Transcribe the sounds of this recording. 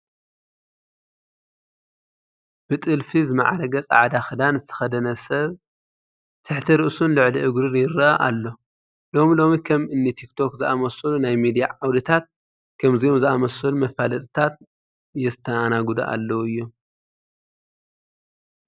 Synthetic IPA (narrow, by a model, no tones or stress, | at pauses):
b̥ɨt̪ʼɨlfizɨmɐʕaɾɐɡɐt͡sʼa̰ʕd̪axɨd̪anzɨt̪ʰɐ̥xɐd̪ɐnɐsɐβ | t̪ʰɨħt̪ʰɐɾɨʔsunlɨʕliʔɨɡɾɨɾjɪɾɐʔaʔalːo̞ | lo̞milo̞mikʰɐmɨnːit̪ʰikt̪ʰo̞kzɨʔamɐsɐlunajmid̪ijaʕawlɨt̪ʰat̪̚ | kʰɐmzijomzɨʔamɐsɐlumɐfalɐt̪ʼɨt̪ʰat̪̚ | jɛɨt̪ʰːɐanaɡud̪uʔa̰lːɐwɨjːu